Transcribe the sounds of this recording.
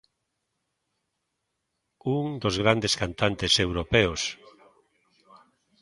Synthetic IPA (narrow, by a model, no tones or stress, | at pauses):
uŋd̪ozɣɾand̪eskant̪ant̪esewɾopeos